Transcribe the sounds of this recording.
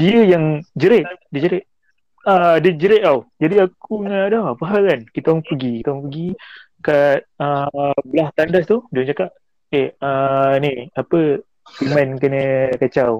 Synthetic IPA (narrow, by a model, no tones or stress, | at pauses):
diəjaŋd͡ʒəɾɛʔ̪̚diəd͡ʒəɾɛʔ̪̚ | adəd͡ʒəɾɛʔ̪awd͡ʒadiakuŋaʔdɔpaɦalankit̪aŋpəɡikit̪aŋpəɡi | kat̪̚əbəlaht̪andast̪udŋt͡ʃakaʔ | eəniapə | pimankənəkat͡ʃaw